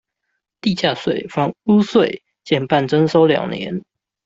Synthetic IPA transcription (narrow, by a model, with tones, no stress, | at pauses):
t̪i˥˨t͡ɕja˥˧˩swe˥˨ɪfɑ˧˥ŋu˦swe˥˨ɪ | t͡ɕjɛ˥˨npa˥˨nʈ͡ʂə˥˦nso˥ʊljɑ̰˨˩ŋnjɛ̰˧˦n